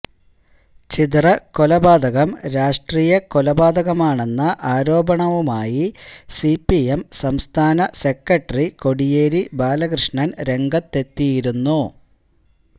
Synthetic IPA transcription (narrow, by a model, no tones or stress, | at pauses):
t͡ɕit̪rɐkolɐbaːd̪ɐɣɐmɾaːʂʈriːjɐkolɐbaːd̪ɐɣɐmaːɳe̞nːɐʔaːɾo̞ːbɐɳɐʋumaːjisipːiemsɐmst̪ʰaːnɐse̞kːɐʈːɐriko̞ɽijeːɾibaːlɐɣrɨʂɳɐnɾe̞ŋɡɐt̪ːe̞t̪ːijiɾunːu